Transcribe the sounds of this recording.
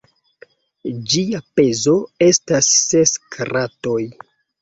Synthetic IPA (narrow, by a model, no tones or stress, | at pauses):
d͡ʒiape̞zo̞e̞stasːeskʰɾato̞j